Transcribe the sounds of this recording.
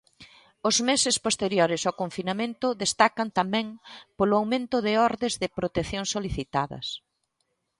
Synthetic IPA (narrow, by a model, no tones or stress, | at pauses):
ʊzmesɪspost̪eɾjoɾɪsawkoɱfinamẽnt̪ʊðest̪akɐnt̪amɛ̃ŋpolʊawmẽnt̪ʊðɪɔɾðɪzðɪpɾot̪eθjoŋsoliθit̪aðɐ̰s